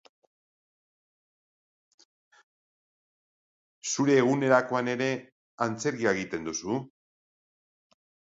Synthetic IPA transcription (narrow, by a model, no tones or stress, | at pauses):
suɾe̞ːɣ̞une̞ɾako̞ane̞ɾe̞ | ant͡se̞ɾɣiaɣit̪e̞nd̪usu